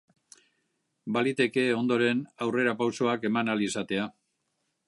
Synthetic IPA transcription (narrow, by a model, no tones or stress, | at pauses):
balit̪e̞ke̞o̞nd̪o̞ɾe̞nawre̞ɾapawso̞ake̞manalisat̪e̞a